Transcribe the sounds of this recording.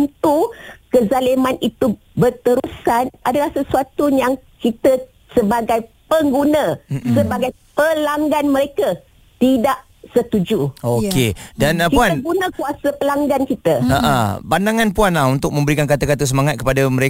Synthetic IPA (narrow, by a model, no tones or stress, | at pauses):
nt̪ukəzalimanit̪u | bərt̪əɾusanʔadalahsəsuat̪ujaŋkit̪ə | səbaɡajpəŋɡunə̃səbaɡaj | pəlaŋɡanmə̃ɾeka | t̪idaʔ | sət̪ud͡ʒuokedanakiuanəɡunə̃kuasapəlaŋɡankit̪əəʔa̰bandaŋãnpuanlahunt̪ʊk̚mə̃mbəɾikankat̪akat̪us̬əmaŋat̪̚kə̥padaməɾe